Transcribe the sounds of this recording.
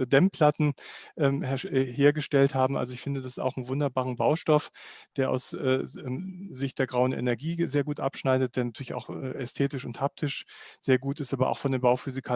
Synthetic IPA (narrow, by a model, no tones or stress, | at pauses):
dɛmpʰl̥atn̩ʔɛːmhɛɛɦeːɐɡəʃtɛlthaːbm̩ʔa̰lzoɪçfɪndədasɪ̥sta̰ʊxn̩vʊndɐbaːʁənbaʊʃtɔfd̥eːɐʔa̰ʊsʔɛːɛzɪçt̚d̥eːɐɡʁaʊənʔɛ̰nɛɐɡiːzeːɐɡuːtʔa̰pʃnaɪdət̚d̥eːɐnatʰyːɐlɪça̰ʊxɛ̰ːɛstʰeːtɪʃʊnthap̚tʰɪʃz̥eːɐɡuːtɪstʔaːbɐ̰ʔa̰ʊxfɔndeːnmbaʊfyːzɪkʰa